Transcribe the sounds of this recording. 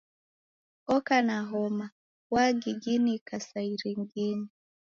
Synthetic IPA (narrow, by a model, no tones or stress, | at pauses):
ɔkanaɦɔma | waɡiɡinikasaiɾiŋɡini